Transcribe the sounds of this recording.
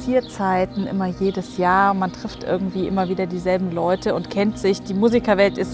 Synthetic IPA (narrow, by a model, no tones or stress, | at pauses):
iːɐt͡saɪtn̩ʔɪ̰mɐjeːdəsjaːɐmantʁ̥ɪftʔɪ̰ɐɡŋ̩tv̥iːʔɪmɐviːdɐdiːzɛlbm̩lɔʏtʰəʊntkʰɛntz̥ɪçd̥iːmuːzikɐvɛltɪs